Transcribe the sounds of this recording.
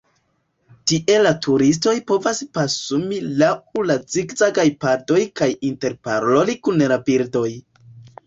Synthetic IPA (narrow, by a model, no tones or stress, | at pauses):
tiʔe̞latʰuɾis̬to̞jpo̞vaspasumilaulazikzaɡajpado̞jkajinte̞ɾpaɾo̞likunlabiɾdo̞j